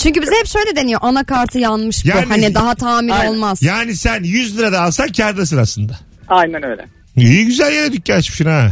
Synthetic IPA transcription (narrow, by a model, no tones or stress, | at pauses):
t͡ʃʰyɲcybizɛhɛpʃøjlʲed̪e̞nijo̞ʔanakaɾt̪ʰɯjanmɯʃbjaunhanid̪aɦat̪ʰaːmiɾo̞lˠmaz̥jaːnisænjyzlʲiɾad̪aːlˠsancʰæɾd̪asɯɾaslˠɯnd̪a | ajnænøjlʲɛ̰ | ijiɟyzælʲjeɾed̪yc̚ɟat͡ʃmiʃina